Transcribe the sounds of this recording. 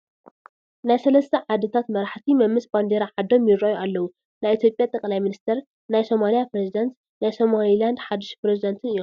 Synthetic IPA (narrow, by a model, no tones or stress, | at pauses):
najsɐlɐst̪ʰɐʕad̪ɨt̪ʰat̪mɐɾaħt̪ʰimɐmːɨsʼband̪eɾaʕad̪o̞mjɪɾojuʔalːɐwu | najʔit̪jo̞pʼjat̪ʼɐkʼlajminist̪ʰɐɾ | najso̞malijapɾezid̪ɐnt̪ | najso̞maliland̪ħad̪ːɨʃpɾezid̪ɐnt̪ʰɨnɨjːom